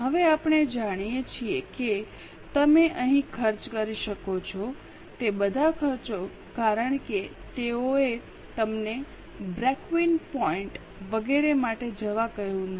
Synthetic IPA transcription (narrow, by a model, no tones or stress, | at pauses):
ɦəʋeapɳ̃ed͡ʒaɽ̃ijet͡ʃʰieke | t̪əmeʔəɦĩkʰəɾt͡ʃkəɾiʃəkot͡ʃʰo | t̪ebəd̪ʱakʰəɾt͡ʃo | kaɾəɳ̃ke | t̪eoe | t̪əmne | bɾɛkʋinpɔiɳʈ | ʋəɡeɾemaʈed͡ʒəʋakəɦjũn